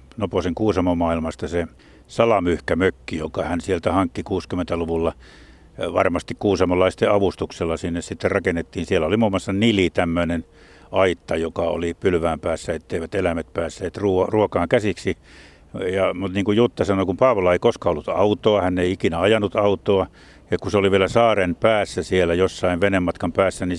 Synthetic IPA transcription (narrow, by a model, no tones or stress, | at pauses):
noposeŋkuːsɑmomɑːilmɑst̪ɑse | sɑlɑmyhkæmøkːijokɑhænsielt̪æhɑŋkːikuːskymːˑent̪æluʋulːɑ | ʋɑ̰rmɑst̪ikkuːsɑmɑlːɑist̪eɑʋust̪ukselːɑsinːessit̪ːerrɑkenːet̪ːiːnsielæolimuːmːoɑsːɑnilit̪æmːønen | ɑit̪ːɑjokɑo̰lipylʋæːmpæːsːæet̪ːeˑiʋæt̪elæmæt̪̚pæːsːeːt̪ruːruokɑːŋkæsiksi | jɑmut̪niːŋkujjut̪ːɑsɑnokumpɑːʋolɑeikoskɑolːut̪ɑut̪oɑhænːeiikinæɑjɑnːut̪ɑut̪ˑoɑ | jɑkuseoliʋielæsɑːrenpæːsːæsielæjosːɑiʋʋenemːɑt̪kɑmpæːsːæni